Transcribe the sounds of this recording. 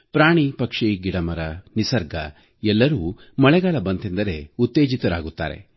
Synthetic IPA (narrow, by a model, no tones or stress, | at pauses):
pɾaːɳipɐkʂiɡiɽɐmɐɾɐnisɐɾɡɐ̰ | ɛlːɐɾuː | mɐɭɛɡaːlɐbɐnt̪ind̪ɐɾe̞ut̪ːeːd͡ʒit̪ɐɾaːɡut̪ːa̰ːɾe̞̰